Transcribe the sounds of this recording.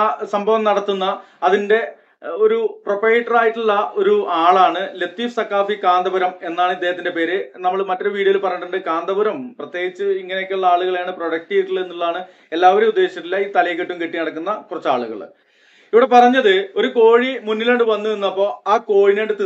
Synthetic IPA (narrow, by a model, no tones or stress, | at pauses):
sɐmbʱɐʋɐmnɐɽɐt̪ːunːɐː | ðinde̞ | o̞ɾuproprɐjʈːɐraːjiʈːuɭːɐo̞ɾuaːɭaːɳɨle̞t̪ːiːfsɐkːaːfikaːnd̪ɐbuɾɐmenːaːɳɨid̪ːeɦɐt̪ːinde̞pe̞ːɾɨnɐmːɐɭmɐtːo̞ɾuʋiːɽiɐilpɐrɐɲːɐʈːuɳɖɨkaːnd̪ɐbuɾɐmprɐt̪ːjeːɡit͡ɕːɨiŋːɐneokːeuɭːɐaːɭuɣɐɭaːɳɨproɽɐk̚ʈieiʈːile̞nːuɭːaːɳɨ | e̞lːaːʋɐɾeud̪ːe̞ːɕjɐt̪ːilːɐiːt̪ɐlɐjkːɐʈːumkiʈːinɐɽɐkːunːɐkurɐt͡ɕːa̰ːɭṵɣɐ̰ɭ | iʋiɽe̞pɐrɐɲːɐðɨo̞ɾuko̞ːɻimunːileːɳɖɨʋɐnːuenːɐpːo̞ːaːko̞ːɻineːɳɖɨt̪i